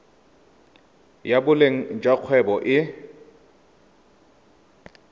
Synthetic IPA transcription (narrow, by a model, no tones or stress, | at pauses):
jabʊleŋ̩d͡ʒʼaq͡χʰwɛbɔʔɪ